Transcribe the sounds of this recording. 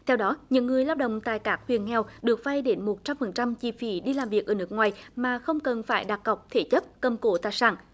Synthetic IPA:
t̪ʰɛ˧wɗɔ˨˦ɲɨ̰˧˥ŋːɨ˨˩əjlaː˧w̚ɗə̰˧˨wŋ͡mt̪a̰ː˧˨jkaː˦˥k̚hwi˨˩ənŋɛ˧˩wɗɨ˨˩ək̚va˧jɗe˨˦nmo˨˩t̚t͡ɕa˧mfə˨˩nt͡ɕa˧mt͡ɕi˧fi˧˩ɗi˧laː˨˩mvi˨˩ək̚ʔəː˧˩nɨ˦˥ət̚k̚ŋwaː˨˩jmaː˨˩xə˧wŋ͡mkə˨˩nfaː˧˩jɗa˨˩t̚ɣa˨˩wk͡p̚t̪ʰe˧˩˦t͡ɕə˦˥p̚kə˧˩mko˧˦t̪aː˧˨jsaː˧˩n

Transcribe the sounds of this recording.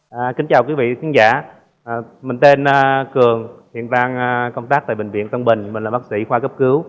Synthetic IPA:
ki˨˦ŋ̟t͡ɕaː˨˩wkwi˨˦vḭ˧˨t̪ʰi˨˦ŋzaː˧˩˨ | mï˨˩ŋ̟t̪e˧nː˧kɨ˨˩əŋhwḭ˧˨ənvaː˧ŋ˧kə˧wŋ͡mt̪aː˦˥k̚t̪aː˧˨˩ɓï˨˩ŋ̟vḭ˧˨ənt̪ə˧wŋ͡mɓï˨˩ŋ̟mi˨˩ŋlːaː˨˩ɓaː˦˥k̚sḭ˧˥xwaː˧kə˦˥p̚kɨ˨˦w

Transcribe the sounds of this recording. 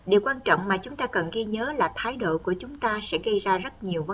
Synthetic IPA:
ɗe˨˩wkwaː˧nt͡ɕɔ̰˧˨ŋ͡mmaː˨˩t͡ɕʊ˨˦ŋ͡mt̪aː˧kə˨˩nɣi˧ɲəː˨˦laː˨˩t̪ʰaː˨˦jɗo̰˧˨ku˧˩ət͡ɕʊ˨˦ŋ͡mt̪aː˧sɛ̰˧˥ɣə˧jzaː˧zə˦˥t̚ɲi˨˩əwv

